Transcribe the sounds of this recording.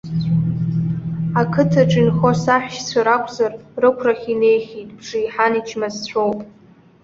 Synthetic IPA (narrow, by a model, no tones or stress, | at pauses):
akʰɨtʰaʈ͡ʂʼinχosaħʷᶣʃt͡sʷʰaɾakʷʰʼzarrɨkʷʰraχʲine̞jχʲitʼb̥ʐɨiħanit͡ʃʰmazt͡ɕʷʰowpʼ